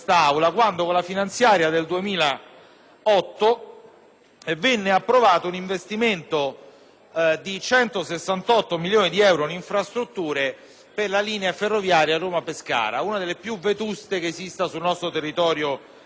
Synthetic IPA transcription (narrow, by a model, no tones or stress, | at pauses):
st̪aawlakwand̪okolafinant̪sjaːɾjad̪eld̪uemiːla | ɔt̪ːo | vɛnːeapːɾovaːt̪ouniɱvest̪iment̪o | d̪it͡ʃɛnt̪osesːant̪ɔt̪ːomiljoːnid̪iɛwɾoiniɱfɾast̪ɾut̪ːuːɾe | perlaliːneaferːovjaːɾjaroːmapeska̰ːɾa̰uːnad̪elːepjuvet̪ust̪ekeːzist̪asulnɔst̪ɾot̪erːit̪ɔːɾjo